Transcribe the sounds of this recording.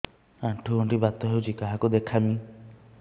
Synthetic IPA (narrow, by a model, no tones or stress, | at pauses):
aʈʰuɡoɳʈibat̪ɔɦewt͡ʃʰikaɦakud̪ekʰami